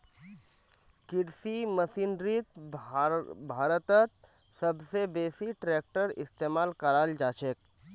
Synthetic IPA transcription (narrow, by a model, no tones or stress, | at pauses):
kɪɽsimɐsiːnɾit̪ | bʱaːɾət̪ət̪̚ | sɐbsebeːsiʈɾeːk̚ʈəɾɪst̪eːmaːlkəɾaːld͡ʒaːt͡ʃeːk̚